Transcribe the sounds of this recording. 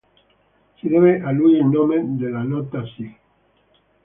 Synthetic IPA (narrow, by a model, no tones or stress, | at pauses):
seðeβeʔaluielnõmeðelanot̪asi